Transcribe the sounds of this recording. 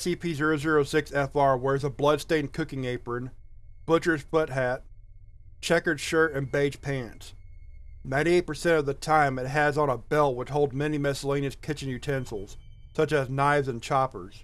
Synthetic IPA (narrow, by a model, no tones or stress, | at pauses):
sipʰizɪɹoʊzɪɹoʊsɪksɛfɑɹwə˞ɨzəblʌd̥stẽɪ̃nkʰʊkɪ̃ŋeɪpɹɨ̃n | b̥ʊt͡ʃə˞z̥fʊt̚ɦæt̚ | t͡ʃʰɛkə˞d̥ʃɜ˞ɾɨ̃nbeɪd͡ʒ̥pʰæ̃nts | nãɪ̃ñieɪt̚pə˞sɛ̃ɾ̃ʌvðɨtʰãɪ̃mɨt̚ɦɨzn̩əbɛlˠwət͡ʃhoʊlˠd̚mɛnimɛsəlẽɪ̃nɨz̥kʰɪt͡ʃɨ̃n̩jʉtʰɛ̃nsl̩ˠz̥ | sʌt͡ʃɨznaɪvzɨ̃nt͡ʃʰɑpə̰˞z̥